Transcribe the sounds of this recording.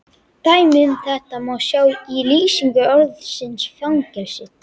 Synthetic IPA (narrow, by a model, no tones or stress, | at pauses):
t̪aːjmɪnθɛht̪amawsjaːwiliːsiŋkʏœɾðsɪnsfjawŋcɛlsɪt̪